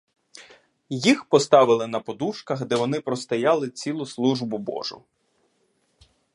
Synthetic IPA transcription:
jixpɔst̪ɑʋɪlˠɪnɐpɔd̪uʃkɐɣd̪ɛʋɔnɪpɾɔst̪ɐjɑlˠɪt͡sʲilˠʊslˠuʒbʊbɔ̰ʒʊ̰

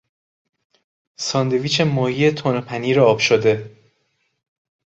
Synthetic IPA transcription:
sɒːnd̪e̞viːt͡ʃʰemɒːhiːet̪ʰonpʰæniːɾoɒːb̥ʃod̪e̞

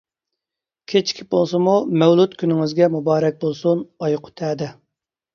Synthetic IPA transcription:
kʲʰet͡ʃʰkʲʰibolˠsɨmumɛwlˠut̪kʲʰynɪŋɪzɡʲɛmubɑːɾɛk̚ʲbolˠsunɑjqʰʊ̥t̪ʰɛːd̪ɛ

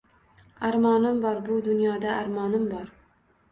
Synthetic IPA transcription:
aɾmɒnɪmbɒɾbʊd̪ʊnjɒd̪aaɾmɒnɪmbɒɾ

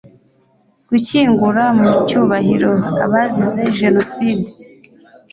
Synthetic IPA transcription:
ɡ̥uciːŋɡuɾamucuːβahiɾo̞a̰βazize̞ʒe̞no̞side̥

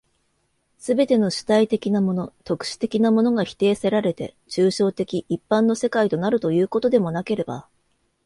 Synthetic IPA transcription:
sɨbe̞t̪e̞no̞ɕi̥t̪ait̪e̞kʲinamo̞no̞t̪o̞kɯ̟̥ɕi̥t̪e̞kʲinamo̞no̞ɡaçi̥t̪e̞ːse̞ɾaɾe̞t̪e̞̰t͡ɕɨːɕo̞ːt̪e̞kʲiʔipːãnːo̞se̞kait̪o̞naɾɯ̟t̪o̞jɯ̟ːko̞t̪o̞d̪e̞mo̞nake̞ɾe̞ba̰

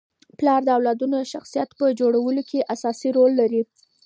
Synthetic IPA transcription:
plɑɾd̪əawlɑd̪unoʃaxsijat̪pəd͡ʒoɽawəlokʰeʔasɑsiɾolːaɾi

